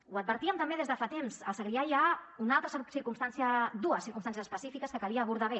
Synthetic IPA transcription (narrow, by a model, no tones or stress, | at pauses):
uəd̪̚bəɾt̪iəmt̪əmbeðezðəfat̪emzəlˠsəɣɾiajaunalˠt̪ɾəssiɾkumst̪ansiəd̪uəsiɾkumst̪ansjəzə̥spəsifikəskəkəliəːβuɾðaβe